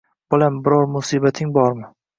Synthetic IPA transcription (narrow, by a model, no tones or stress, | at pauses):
b̥ʊlambɪɾɒɾmʊsiːbat̪ʰɪŋbɒɾmɪ